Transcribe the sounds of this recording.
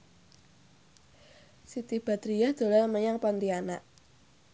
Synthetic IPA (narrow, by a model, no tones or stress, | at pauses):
sit̪ib̥a̤d̪ɾijad̪̥o̤larməɲaŋpɔnt̪iana̰ʔ